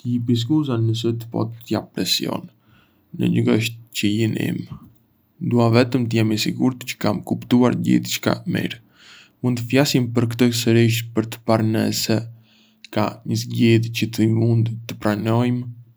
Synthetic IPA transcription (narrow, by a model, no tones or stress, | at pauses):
t̪əibis̬kuzanəs̬ət̪əpɔ̰t̪t̪jappɾɛsjɔ̰nː | ə̰ɲəɡəʃt̪cəjinḭm | d̪uavɛt̪əmt̪əjɛmisiɡuɾt̪cə̥kamkupt̪ua̰ɾɟḭθt͡ʃə̥ka̰mḭɾ | mund̪əfjasimpəɾkt̪əsəɾiʃpəɾt̪ə̥paɾnɛ̰sɛ | ka̰ɲəzɟiðcət̪əmund̪t̪əpɾanɔjm